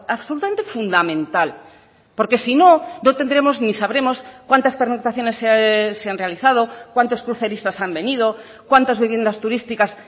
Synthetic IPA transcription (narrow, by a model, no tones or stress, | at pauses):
aβsolut̪ament̪efund̪amẽ̞nt̪al | po̞ɾke̞sino̞not̪e̞nd̪ɾe̞mo̞znisaβɾe̞mo̞skwant̪aspeɾnokt̪ɾaθjo̞ne̞sːeaseanre̞aliθað̞o̞kwant̪o̞skɾuθe̞ɾist̪asambe̞nið̞o̞ | kwant̪azβiβje̞nd̪ast̪uɾist̪ikas